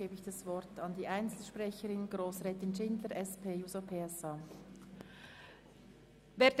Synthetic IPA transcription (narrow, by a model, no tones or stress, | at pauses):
eːbəɪçd̥ɑsvɔɾtɑndiːʔaɪnt͡sl̩ʃpʁ̥ɛçəɾɪnɡʁoːsʁɛːtɪnʃɪndləɾɛspʰeːjuːzopʰeːɛsɑː | veːd